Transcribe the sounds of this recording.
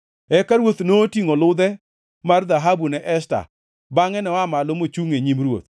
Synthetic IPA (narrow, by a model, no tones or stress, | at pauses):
ɛkaɾwot̪notiŋolʊd̪ɛ | mard̪aɦabunɛʔɛsta̰ | baŋɛnɛamalomot͡ʃuŋeɲimɾwo̰t̪̚